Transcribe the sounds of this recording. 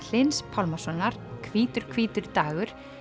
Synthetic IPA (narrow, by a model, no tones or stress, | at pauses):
l̥ɪnspʰalmasɔnːaɾ̥kʰviːt̪ʏɾ̥kʰv̥iːt̪ʏɾt̪aːɣʏɾ̥